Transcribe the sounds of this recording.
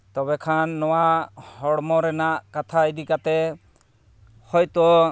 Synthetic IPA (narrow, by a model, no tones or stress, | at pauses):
t̪ɔβɛkʰanːɔwahɔɽmɔɾɛnaʔkat̪ʰaid̪ikat̪ɛ | hɔjt̪ɔ